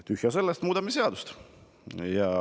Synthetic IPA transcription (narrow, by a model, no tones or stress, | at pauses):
t̪yhjɑse̞lːest̪muːd̪ɑmiseɑd̪̥ust̪ | jɑ